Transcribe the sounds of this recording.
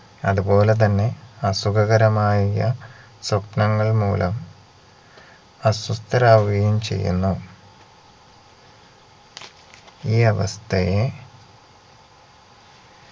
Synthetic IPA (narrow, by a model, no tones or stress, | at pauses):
ɐ̰ðubo̞ːle̞t̪̬ɐnːe̞ɐsukɐɣɐɾɐmaːjijɐ | supnɐŋːɐɭmṵːlɐm | ɐsust̪ɐɾaːʋɐɡɐjumt͡ɕe̞̰jːṵnːu | iːɐʋɐ̰st̪ʰɐje